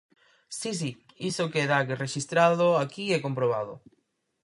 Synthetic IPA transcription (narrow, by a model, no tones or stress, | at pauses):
sis̬i | isokeðakereʃist̪ɾaðoakiɛkompɾoβ̞aðo̰